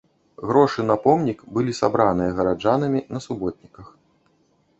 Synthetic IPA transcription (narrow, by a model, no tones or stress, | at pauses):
ɣɾɔʂɨnɐpɔmnʲikbɨlʲisa̰bɾanɨjɐɣɐɾad͡ʐanɨmʲinɐsubɔt̪̚ʲnʲikɐx